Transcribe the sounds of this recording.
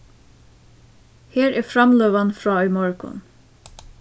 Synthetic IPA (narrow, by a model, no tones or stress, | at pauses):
heːɾæɹfɾamløːʋanfɹɑːɔjmɔɹkʊ̰n